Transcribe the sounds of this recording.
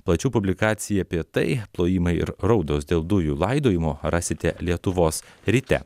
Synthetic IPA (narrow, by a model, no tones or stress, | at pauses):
plˠɐt͡ʃʲuːpʊbʲlʲɪkɑːt̪sʲɪjɛɐpʲiɛt̪ɐɪplˠoːjiːmɐɪɪ̰ɾɾɒʊd̪oːsd̪ʲeːlˠd̪ʊjuːlˠɐɪd̪oːjɪmoɾɑːsʲɪt̪ʲɛlʲiɛt̪ʊʋoːsɾʲiːt̪ʲɛ̰